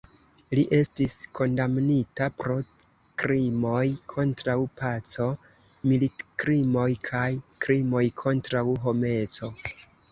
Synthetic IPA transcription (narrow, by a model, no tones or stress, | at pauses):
liʔe̞stiskʰo̞ndamnitapɾo̞ | kɾimo̞jkʰo̞ntɾawpat͡so̞ | militkɾimo̞jkʰajkɾimo̞jkʰo̞ntɾawɦo̞me̞t͡so̞